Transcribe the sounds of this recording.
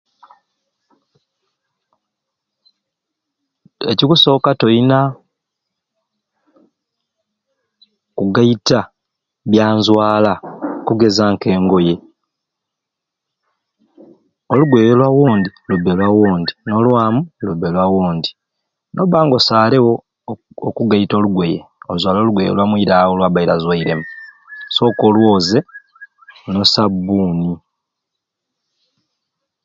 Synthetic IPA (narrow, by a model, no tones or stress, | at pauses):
ḛcikuso̞ːkato̞ina | kuɡaita | βjaːnzwaːlakuɡe̞zaŋke̞ːŋɡo̞je̞ | o̞luɡwejolwawoːndiluβːelwawoːndino̞lwaːmuluβːelwawoːndi | no̞βaːŋɡo̞saːlewoː | kuɡaito̞ːluɡwe̞jeozwaːlo̞luɡwejlwamwiiɾawolwabaiɾazwaiɾe̞mu | so̞ːkolwoːze̞ | no̞sabːuːni